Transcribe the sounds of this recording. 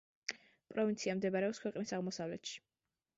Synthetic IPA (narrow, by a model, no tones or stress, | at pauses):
pʼɾɔvint̪sʰiamd̪ɛbaɾɛɔpskʰwɛqʼnisaʁmɔsavlɛt̪ʃi̥